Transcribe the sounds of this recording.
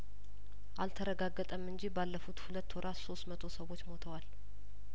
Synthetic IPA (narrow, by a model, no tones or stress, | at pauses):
ʔalt̪ʰəɾəɡaɡːət̪ʼəmɨnd͡ʒibalːəfut̪hulət̪ːoɾʔaso̞st̪mət̪ʰo̞səwo̞t͡ʃːmo̞t̪ʰəwal